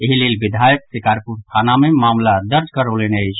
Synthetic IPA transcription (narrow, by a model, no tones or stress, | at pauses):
eɦilelbid̪ʱajəksikaɾpuɾst̪ʰanamemamlad̪əɾd͡ʒkəɾolenəjt͡ʃʰ